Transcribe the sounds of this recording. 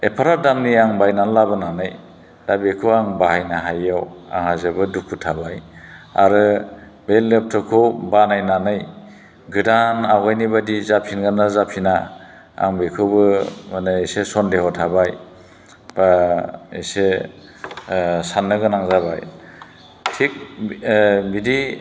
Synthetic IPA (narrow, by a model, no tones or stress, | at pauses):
epʰaɾadamniaŋbajnanlabɯnanɯj | dabekʰɯwaŋbaɦajnaɦajawa̰ŋhazabɯdukʰutʰabaja̰ɾɯ | belːep̚tʰɔkʰɯwbanajnanɯj | ɡɯdanawɡajnibadizapʰinɡanazapʰina | a̰ŋbekʰɯbɯmanɯesesɔndehɔtʰabaj | baese | sanːɯɡɯnaŋzabaj | tʰik̚ | bidi